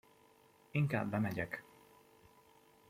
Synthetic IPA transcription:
iŋka̰ːbːɛmɛɟɛk

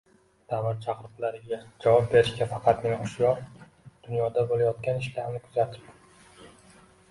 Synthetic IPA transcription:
d̪̥amat̪̚t͡ʃʰaqɨɾqʰʊlaɾɪɡʲad͡ʒavɒp̚be̞ɾɪʃkʲafɑqʰɑt̪neʊʃjɒɾ | d̪̥ʊnjɒd̪abolajɒt̪̚kʲanɪʃlaɾnɪkʰʊzat̪ʰɪ̥p̚

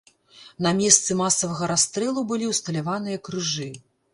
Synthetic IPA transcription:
nɐmʲɛst̪sɨmasɐvɐɣɐɾast̪ɾɛlˠubɨlʲiwst̪ɐlʲavan̪ɨjɐkɾɨʐɨ

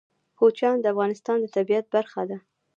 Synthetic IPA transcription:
xot͡ʃjɑnd̪əafɣɑnɪst̪ɑnd̪ət̪abijat̪̚baɾxad̪a

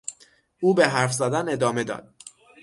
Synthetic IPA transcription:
uːbeɦæɾfzæd̪æne̞d̪ɒːme̞d̪ɒ̰ːd̪̥̚

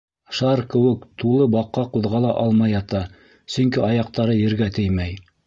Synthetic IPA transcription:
ʃɑɾkɘ̆wɘkt̪ulˠɤbɑqːɑquðʁɑlˠɑʔɑlˠmɑjɑt̪ɑ | sɵ̆ŋkiɑjɑq̚t̪ɑɾɤjɘ̆ɾɡæt̪ɘjmæj

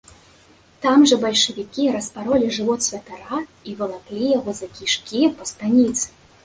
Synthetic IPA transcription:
t̪amʐɐbɐlʲʂɐvʲikʲiɾɐspaɾɔlʲiʐɨvɔt̪sʲvʲɐt̪aɾaivɐlˠaklʲijɐvɔzɐkʲiʂkʲipɐst̪anʲit̪sɨ̥

